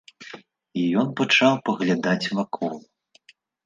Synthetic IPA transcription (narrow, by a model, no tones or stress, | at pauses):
ijɔnpat͡ʂawpɐɣlʲad̪at͡sʲvakʰɔlˠ